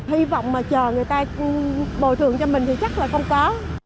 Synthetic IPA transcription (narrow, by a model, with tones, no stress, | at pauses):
hi˧vɔ̰˧˨wŋ͡mmaː˨˩t͡ɕəː˨˩ŋɨ˨˩əjt̪aː˧ɓo̰˧˩t̪ʰɨ̰˨əŋt͡ɕɔ˧mï˨˩ŋ̟t̪ʰi˨˩t͡ɕa˦˥k̚laː˨˩xə˧wŋ͡mkɔ˨˦